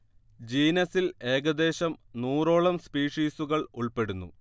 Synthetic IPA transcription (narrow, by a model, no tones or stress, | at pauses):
d͡ʑiːnɐsile̞ːɡɐd̪e̞ːɕɐmnuːro̞ːɭɐmspiːʂiːsuɣɐɭuɭpe̞ɽunːṵ